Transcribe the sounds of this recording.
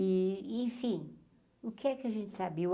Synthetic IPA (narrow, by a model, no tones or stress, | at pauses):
iĩfĩ | ukɛkɐʒẽnt̪sabi